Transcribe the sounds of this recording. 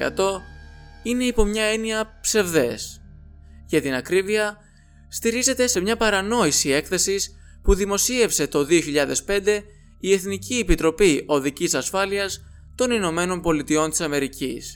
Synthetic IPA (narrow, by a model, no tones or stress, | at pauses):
ɐ̰t̪o̞ | ine̞ipo̞mɲɐe̞niɐpse̞vðe̞s | ʝɐt̪inɐkɾiviɐ | st̪iɾize̞t̪e̞se̞mɲɐpɐɾɐno̞isie̞kθe̞sis | puðimo̞sie̞fse̞t̪o̞ðio̞çiʎɐðe̞spe̞nd̪e̞ | ie̞θniciepit̪ɾo̞piʔo̞ðicisɐsfɐliɐs | t̪o̞nino̞me̞no̞nbo̞lit̪io̞nt̪i̥sɐme̞ɾicḭs